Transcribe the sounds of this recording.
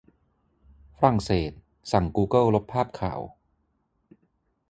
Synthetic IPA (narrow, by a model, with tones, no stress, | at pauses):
fa˧ɾa˧˩ŋseː˨˩t̪̚ | sa˨˩ŋkuː˧kɤ˥˩lo˦˥pʰːaː˥˩p̚kʰa̰ː˨˩˦w